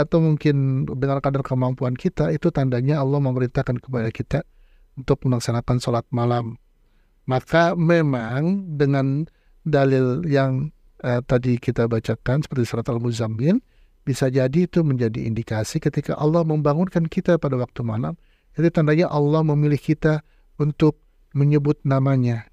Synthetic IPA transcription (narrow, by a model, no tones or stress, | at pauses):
at̪awmuŋkɪndəŋankadarkəmampuankit̪ait̪ut̪andaɲaːlːɔhməməɾint̪ahkankəbajakit̪a | unt̪ʊk̚məlaksanakansolat̪̚malamː | akamemaŋdəŋan | dalɪljaŋ | ət̪adikit̪abat͡ʃakansə̥pərt̪isolat̪almuzamɪn | bisad͡ʒadiːt̪uməɲd͡ʒadḭːndikasikət̪ika̰ʔɑlːɔhməmbaŋʊnkankit̪apadawak̚t̪umalam | jadit̪andaɲaʔɑlːɔhməmilɪhkit̪a | unt̪ʊk̚ | məɲəbʊt̪̚namaɲa